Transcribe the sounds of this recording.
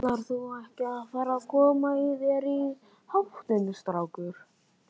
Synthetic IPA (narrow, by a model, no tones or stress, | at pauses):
laɾ̥θuɛhcɪaðfaːɾakʰɔːmaivɛɾi | hawht̪ʏnɪst̪ɾawkʏɾ̥